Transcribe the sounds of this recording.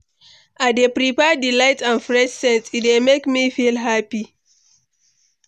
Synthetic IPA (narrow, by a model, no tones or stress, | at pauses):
ʔadepɾipɛdilaɪtãnfɹɛʃsɛ̃nsidemekmifilɦapi